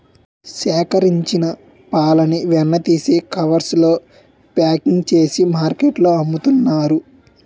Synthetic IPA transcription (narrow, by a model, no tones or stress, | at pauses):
sɛːkɐɾiɲt͡ʃinɐ | paːlɐniʋɛnːɐt̪iːseːkɐʋɐɾslo̞ː | paːkiŋɡt͡ʃe̞ːsimaːɾkeʈloːɐmːut̪unːaːɾu